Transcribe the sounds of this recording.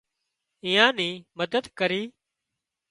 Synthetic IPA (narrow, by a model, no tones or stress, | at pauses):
ĩːãːnĩːməd̪əd̪kəɾiː